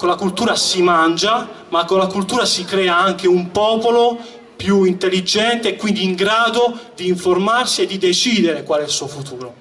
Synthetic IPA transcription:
kolːakult̪uːɾasimand͡ʒa | makːolakult̪uːɾasikɾɛːaaŋk̟eumpɔːpolo | pjuint̪elːid͡ʒɛnt̪eːkːwind̪iːŋɡɾaːd̪od̪iːɱformarsied̪ːid̪et͡ʃiːd̪eɾekwalɛilsuːofut̪uːɾo

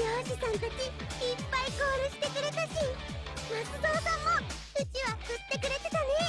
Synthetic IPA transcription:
joːʑisãnt̪akiːpːaiɡo̞ːɾɯ̟ɕi̥t̪e̞kɯ̟ɾe̞t̪aɕimat͡sɨd̪oːsãmːo | ɯ̟t͡ɕiβaɸɯ̟t̪ːe̞kɯ̟ɾe̞t̪e̞t̪ane

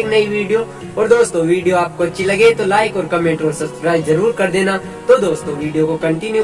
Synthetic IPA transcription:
knɐiʋiːɖijo | ɔːɾd̪oːst̪õʋiːɖijoaːp̚koɐtːʃʰilɐɡet̪olaːɪkɔːɾkɐmẽːɳʈɔːɾsɐbskɾaːɪbzɐɾuːɾkɐɾd̪eːna | t̪od̪oːst̪õʋiːɖijokokɐ̃ɳʈɪnju

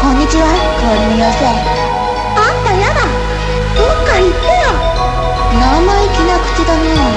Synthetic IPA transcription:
kõ̞ɲ̟ːit͡ɕiβa | koɾimʲijase | ant̪ajad̪a | okait̪ːɯjo | namaikʲinakɯ̟̥t͡ɕid̪aneo

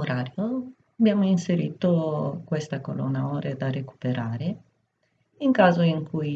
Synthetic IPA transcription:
oɾaːɾjo | abjaːmoinseɾiːt̪okwest̪ako̰lo̰nːaoːɾed̪areku̥peɾaːɾe | iŋkaːzoiŋkʰuj

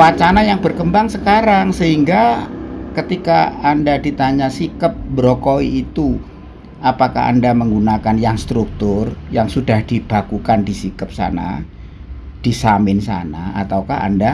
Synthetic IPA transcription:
wat͡ʃanajaŋbərkəmbaŋsəkaɾaŋsəɦiŋɡakət̪ikaːndadit̪aɲasikəp̚bəɾokoiːt̪u | ʔapaka̰ɦa̰ndaməŋɡunakanjaŋst̪ɾuk̚t̪ʊrjaŋsudahd̥ib̥akukandisikəp̚sa̰na̰ | d̥isamɪnsa̰na̰a̰t̪aukaha̰nda

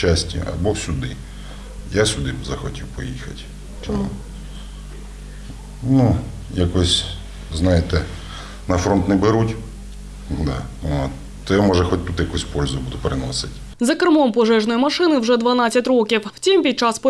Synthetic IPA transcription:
asʲtʲḭɐ̰bɔsʲʊd̪ɪ̰ | jasʲʊd̪ɪbzɐxɔtʲiwpɔjixɐtʲ | t͡ʃɔmu | nu | jakɔsʲ | znɑjet̪ɛ | nɐfɾɔnt̪nɛbɪɾutʲ | d̪a | t̪ | t̪ɛmɔʒɛxɔt̚ʲt̪ut̪jɐkusʲpɔlʲzʊbud̪ʊpɾɪnɔsɪtʲ | zɐkɾɪmɔmpɔʒɛʒnɔjimɐʂɪnɪwʒɛd̪ʋɐnat͡sʲːɐtʲrɔkʲiwwt͡sʲimpʲid̪̚t͡ʃɑspɔ

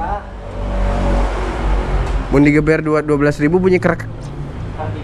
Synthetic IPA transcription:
mʊndiɡəbɛrduaduabəlasribupuɲakəɾkḁ

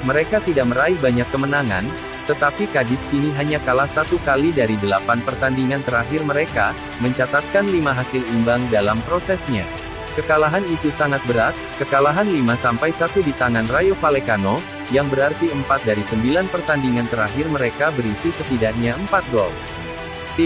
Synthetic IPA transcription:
məɾekat̪idak̚məɾaibaɲakːəmənaŋa̰n | t̪ət̪apikadɪskiniɦaɲakalahsat̪ukalidaɾidəlapanpərt̪andiŋant̪əɾaɦɪrməɾeka | məɲt͡ʃat̪at̪̚kanlimaɦasɪlimbaŋdalampɾosɛsɲa | kəkalaɦanit̪usaŋat̪̚bəɾat̪̚kəkalaɦanlimasampajsat̪udit̪aŋanrajofalekano | jaŋbəɾart̪iəmpat̪̚daɾisəmbilanpərt̪andiŋant̪əɾaɦɪrməɾekabəɾisisət̪idak̚ɲaəmpat̪̚ɡɔ̰l

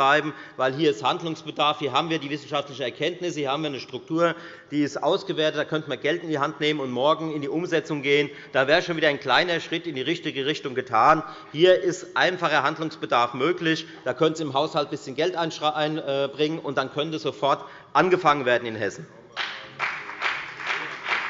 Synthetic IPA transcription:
aɪbm̩vaɪlɦiːɐɪsthandlʊŋsb̥ədaɐfhiːɐɦaːbm̩viːɐdiːvɪsn̩ʃaftlɪçəɛɐkʰɛntnɪshiːɐhaːbm̩viːɐnəʃtʁ̥ʊk̚tʰuːɐ | d̥iːɪstʔa̰ʊsɡ̥əveːɐtət̚aːkʰœntəmaːɡɛltɪndiɦantneːmənʊntmɔɐɡŋ̩ɪndiːʔʊmzɛt͡sʊŋɡeːən | d̥aːveːʁəʃoːnviːdɐaɪnkl̥aɪnɐʃʁ̥ɪtɪndiːʁɪçtɪɡəʁɪçtʊŋɡətʰaːn | hiːɐʔɪstʔaɪnfaχɐɦandlʊŋsb̥ədaɐfmøːklɪç | d̥aːkʰœnənziɪmɦaʊshalt̚b̥ɪsçənɡɛltʔaɪnʔaɪnːbʁɪŋənʔʊnt̚d̥ankʰœntəsz̥ofɔɐt | ʔanɡəfaŋənveːɐdn̩ɪnhɛsn̩

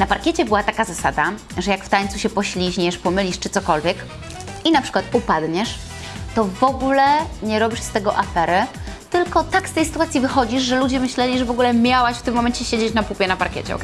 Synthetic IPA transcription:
napaɾkʲɛt͡ɕɛbɘwat̪akazasad̪a | ʐɛjakft̪aɲt̪suɕɛpɔɕlʲiʑɲɛʂpɔmɘlʲiʂt͡ʂɘt̪sɔkɔlvʲjɛk | inapʂɘkwat̪upad̪ɲɛʂ | t̪ɔvɔɡulɛɲɛɾɔbʲiʂst̪ɛɡɔʔafɛɾɘt̪ɘlkɔt̪akst̪ɛjsɘ̥t̪uat̪sʲivɘxɔd͡ʑiʂʐɛlud͡ʑɛmɘɕlɛlʲiʐɛvɔɡulɛmʲjawaɕft̪ɘmːɔmɛnt͡ɕɛɕed͡ʑet͡ɕnapupʲjɛnapaɾkʲɛ̰t͡ɕɛ̰

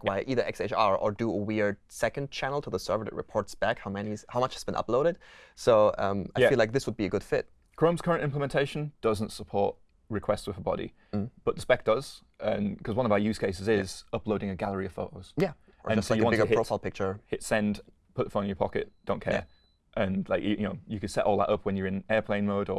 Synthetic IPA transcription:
kwaɪʔiðə˞ʔɛkseɪt͡ʃɑɹə̰˞dəəwɪɹd̥̚sɛkə̃nt͡ʃʰænl̩ˠtʰəðəsɜ̰˞və˞ɨ̰ʔ̚ɹɪ̰pʰɔɹtsb̥ækhaʊmɛnizhaʊmʌt͡ʃhəzbɨ̃nʔʌ̰ploʊɾɨd̥̚soʊʌ̰̃maɪæfilaɪk̚ðɪswəd̚biɨɡʊd̥fɪt̚ | kʰɹõʊ̃mz̥kʰʌɹə̃ntɪ̃mpləmɛ̃ntʰeɪʃə̃nd̥ʌzə̃ntsəpʰɔ̰ɹʔ | ɹɨkʰw̥ɛstswɨðəbɑ̰ɾḭ | b̥ʌt̪ʔ̚ðəspɛk̚d̥ʌz̥ | ə̃nkʰʌzwʌ̃nʌvajʉskʰeɪs̬ɨzɪz̥ʌploʊɾɪ̃ŋɨɡalˠəɹiəv̥foʊtoʊz̥jæ | ə̰ə̃nd͡ʒʌstoajəɑ̃nɪtɡhɪɹoʊfaɪlˠpɪk̚t͡ʃə˞hɪtsɛ̃nd̥ | pʰʊɾɪtəfõʊ̃ñnjə˞pʰɑkɪt̚d̥õʊ̃nkʰɛ̰ɹ | ʔɨ̃nla̰ɪkjɨjɨnoʊjɨkɨd̥sɛ̰ʔɔlˠðə̰ɾʌpwə̃njə˞ɨ̃nɛːɹpʰl̥ẽɪ̃nmoʊɾə

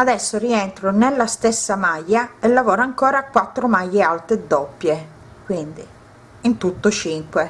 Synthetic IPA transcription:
ad̪ɛsːʊriɛnt̪ɾonelːast̪ɛsːamajːaelːavɔːɾaŋkɔːɾakwat̪ːɾʊmajːealt̪ɾɪd̪ɔpːje | kwind̪i | int̪ut̪ːʊt͡ʃiŋkwe

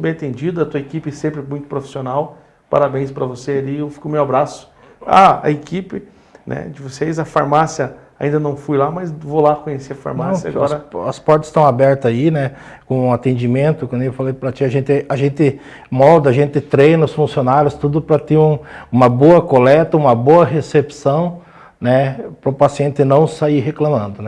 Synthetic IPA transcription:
bẽj̃ɐt̪ẽnd͡ʒid̪ɐɐt̪uɐekipɪɛsẽmpɾɪmũj̃t̪ʊ̥pɾofi̥sionaw | pa̰ɾabẽj̃spɾɐvosealiewfi̥kʊmewabɾasʊ̥ | a̰ɐ̰ekipɪ | nʔɛ̰d͡ʒɪvosejzɐfa̰ɾmasjɐa̰ĩnd̪ɐnɐ̃w̃fujlamɐzvolakõɲeseɐfa̰ɾmasjɐa̰ɔɾɐɐspɔɾt̪ɐ̥st̪ɐ̃w̃abɛɾt̪ɐzainɛ | kõũat̪ẽnd͡ʒimẽnt̪ʊkɐ̃nd̪ewfalejpɾɐt͡ʃiɐʒẽnt̪ɪaʒẽnt̪ɪ | mɔd̪ɐaʒẽnt̪ɪt̪ɾejnɐʊsfũsionaɾjʊst̪ud̪ʊpɾɐt̪eũũmɐboɐkolɛt̪ɐũmɐboɐɦesepsɐ̃w̃ | nɛpɾʊpasiẽnt̪ɪnɐ̃w̃saiɦeklɐ̃mɐ̃nd̪ʊnɛ

